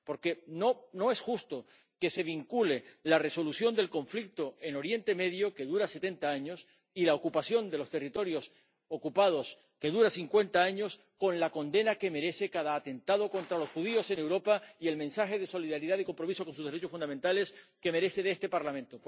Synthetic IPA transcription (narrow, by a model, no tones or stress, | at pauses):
po̞ɾke̞nono̞e̞sxust̪o̞ | ke̞se̞β̞iŋkule̞lare̞so̞luθjo̞nd̪e̞lkõ̞ɱflik̚t̪o̞e̞no̞ɾje̞nt̪e̞me̞ðjo̞ke̞ðuɾase̞t̪e̞nt̪aaɲo̞s | ilaokupaθjo̞nd̪e̞lo̞st̪e̞rit̪o̞ɾjo̞s | okupað̞o̞s | ke̞ðuɾasiŋkwe̞nt̪aaɲo̞s | ko̞nlako̞nd̪e̞nake̞me̞ɾe̞se̞kaðaːt̪e̞nt̪aðo̞ko̞nt̪ɾalo̞sxuð̞io̞se̞ne̞wɾo̞paie̞lmẽnsaxe̞ð̞e̞so̞liðaɾiðaðikompɾo̞miso̞konsuzðeɾe̞t͡ʃo̞funamẽnt̪ale̞ske̞me̞ɾe̞sθe̞ðest̪e̞paɾlamẽ̞nt̪o